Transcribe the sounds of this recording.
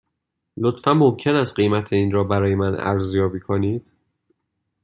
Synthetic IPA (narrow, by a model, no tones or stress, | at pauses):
lot̪fænmo̞mcʰenæst̪̚ɢejmæt̪ʰeiːnɾɒːbæɾɒːjemænæ̰ɾzjɒːbiːkʰoniːd̪̥